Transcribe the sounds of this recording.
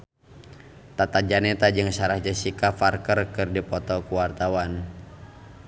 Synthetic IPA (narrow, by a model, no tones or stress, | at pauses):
t̪at̪ad͡ʒanɛt̪ad͡ʒɨŋsaɾahd͡ʒasikafarkərkɨrdipɔt̪ɔkuwart̪awan